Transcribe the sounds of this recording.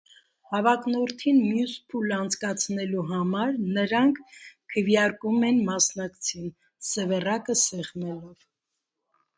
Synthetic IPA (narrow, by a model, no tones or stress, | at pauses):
hɑvɑknɔɾt̪ʰinmjuspʰulɑnt͡sʰkɑt͡sʰnɛluɦɑmɑɾnəɾɑŋkʰkʰːəvjɑɾkumɛnmɑsnɑkt͡sʰin | səvɛrɑkəsɛʁnɛlɔv